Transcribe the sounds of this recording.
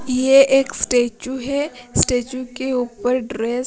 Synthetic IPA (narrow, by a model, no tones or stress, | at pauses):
jeʔeːksʈeːt͡ʃuɦɛsʈeːt͡ʃũkeuːpəɾɖɾeːs